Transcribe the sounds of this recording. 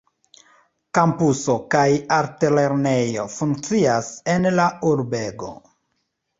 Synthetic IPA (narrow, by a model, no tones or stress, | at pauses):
kampuso̞kajaɾtele̞ɾne̞jo̞fuŋk̚t͡siasenlauɾbeɡo̞̰